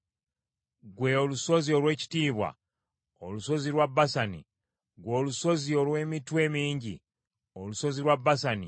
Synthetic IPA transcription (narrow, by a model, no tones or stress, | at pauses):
ɡwe̞oluso̞zio̞lwe̞ːci̥tiːβwa̰ | oluso̞zilwabːasanḭ | ɡwo̞ːluso̞ziolwe̞ːmitwe̞ːmiːɲɟi | oluso̞zilwabːasani